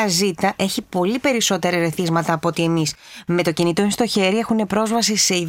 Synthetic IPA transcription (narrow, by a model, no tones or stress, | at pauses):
ɐzit̪ɐʔe̞çipo̞lipe̞ɾiso̞t̪e̞ɾɐɾe̞θizmɐt̪ɐːpo̞t̪ie̞mis | me̞t̪o̞cinit̪ost̪oçe̞ɾie̞xune̞pɾo̞zvɐsise̞ið